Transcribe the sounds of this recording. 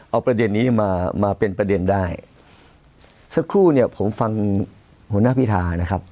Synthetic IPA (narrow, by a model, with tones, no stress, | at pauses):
ʔa˧wpɾa˧de˧nːiː˦˥maː˧maː˧pe˧npɾa˧de˧ndaː˥˩j | sa˦˥kʰɾuː˥˩ni˥˩ɐpʰo˩˦mfa˧ŋ | hu˩˦naː˧˥˩pʰi˦˥˩t̪ʰaː˧na˦˥kʰa˦˥p̚